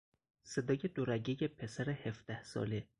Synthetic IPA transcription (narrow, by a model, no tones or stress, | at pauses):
se̞d̪ɒːje̞d̪oɾæɟejepʰe̞sæɾehefd̪̥æhsɒ̰ːle